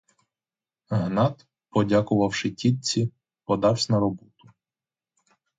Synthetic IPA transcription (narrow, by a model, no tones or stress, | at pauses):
ɦnɑt̪ | pɔdʲakʊʋɐwʃɪtʲit̪̚t͡sʲi | pɔd̪ɑwsʲnɐɾɔbɔt̪ʊ̥